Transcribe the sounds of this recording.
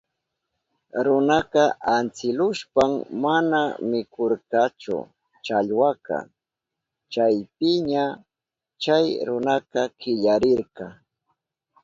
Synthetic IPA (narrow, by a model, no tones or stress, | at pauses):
ɾʊnaqɑʔant͡sɪlʊʃpammanamɪkʰoɾkɑt͡ʃʊ̰ | t͡ʃaʎwakɑ̰ | t͡ʃajpɪɲa | t͡ʃajɾʊnakɑkɪʎaɾɪɾkɑ